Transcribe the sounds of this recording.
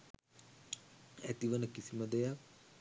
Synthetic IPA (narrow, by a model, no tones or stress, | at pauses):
æt̪iʋənəkisiməd̪ɛjak̚